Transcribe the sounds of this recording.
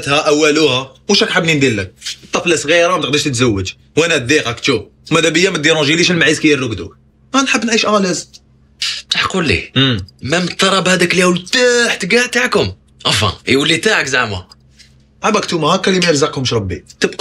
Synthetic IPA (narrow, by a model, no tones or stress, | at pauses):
t̪hæʔæwːæluhæmuʃækħəbnind̪ilːək̚ət̪ˤːɑflæsˤɣiɾamæt̪əq̚d̪iʃt̪ət̪zæwːəd͡ʒ | wʔænæd̪iqɑkt͡ʃ̪u | mæd̪æbəjːæmæt̪̚d̪iɾũʒiliʃəlmaʕizkijːərˤːuɡd̪ṵk | ænħəbːnʕiʃʔælæz | t̪aħqulːḭəmæmt̪ːˤɑɾˤɑbhæd̪əkljæwlt̪aħt̪ɡaʕt̪aʕkʊm | ʔæfɑ̰wəlːit̪aʕəkzaʕmæ | ʕabæk̚t̪umhækːælimæjəɾzɑqhʊmʃɾˤɑbːḭt̪əb̚q